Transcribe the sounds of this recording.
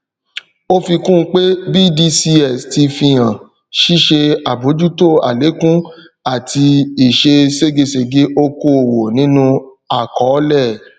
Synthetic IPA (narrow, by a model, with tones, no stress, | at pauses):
o˦fi˧kũ˦˧˦k͡pe˦bi˦˨di˧˦si˧ɛ˦˨sti˧fi˧j̃ã˨ | ʃi˦ʃe˧a˨bo˨˦d͡ʒu˦to˦˨a̰˨le˨˦kũ˦ | a˦˨tʰi˧i˨ʃe˧se˦ɡe˧se˧˨ɡe˦ʔo˧ko˦o˨wo˨nĩ˨˦nũ˦ | a˨kɔ˨˦lɛ˦˨